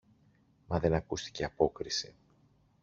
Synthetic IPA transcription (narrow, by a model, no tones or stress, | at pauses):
mɐðe̞nɐkust̪i̥ce̞ɐpo̞kɾisi